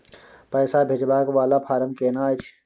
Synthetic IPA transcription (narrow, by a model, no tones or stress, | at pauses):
pɛːsabʱed͡ʒbaːkʋaːlapʰaːɾəmkeːnaːt͡ʃʰ